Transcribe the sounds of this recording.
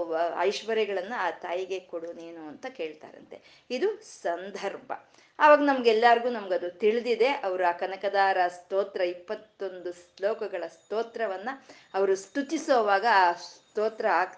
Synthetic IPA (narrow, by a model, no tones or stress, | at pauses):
ɐ̰jʃʋɐɾɛɡɐɭɐnːuaːt̪aːjiɡe̞koɽuːneːnuːɐnt̪ɐke̞ːɭt̪a̰ːɾɐ̰nt̪e̞ | id̪usɐnd̪ʱɐɾbʱɐ̰ | aːʋaːɡɐnɐmɐɡɛlːaːɾiɡuːnɐmɐɡɐd̪ut̪iɭid̪id̪e̞ʔɐʋɐɾuaːkɐnɐkɐd̪aːɾɐst̪oːt̪ɾɐipːɐt̪ːo̞nd̪uslɔːkɐɡɐɭɐst̪oːt̪ɾɐʋɐnːɐ | ɐʋɐɾust̪ut̪isoːʋaːɡɐaːst̪oːt̪ɾɐaːɡ